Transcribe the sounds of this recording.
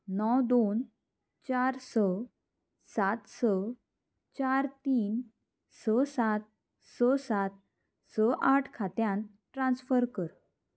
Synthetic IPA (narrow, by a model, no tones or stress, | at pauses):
nɔwd̪on | t͡ɕaɾsə | sat̪sə | t͡ɕaɾt̪iːn | səsat̪̚ | səsat̪̚ | səʔaʈʰkʰat̪jãnt̪ | ʈɾãnsfəɾkəɾ